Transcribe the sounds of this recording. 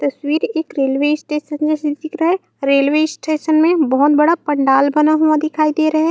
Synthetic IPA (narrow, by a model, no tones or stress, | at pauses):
t̪ɐswiːɾeːkɾeːlweːɪsʈeːʃənd͡ʒɛːsed̪ɪkɾɐɦɛ | ɾeːlweːsʈeːʃənmẽbɐɦʊt̪bɐɽapɐ̃ɳɖaːlbɐnaɦuad̪ɪkʰaːid̪eːɾɐɦɛ